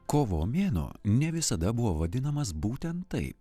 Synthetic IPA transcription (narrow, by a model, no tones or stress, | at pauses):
koːʋo̰ːmʲeːno̰ːnʲɛʋʲɪsɐd̪ɐbʊʋoːʋɐd̪ʲɪnɐmɐsbuːt̪ʲɛnt̪ːɐɪp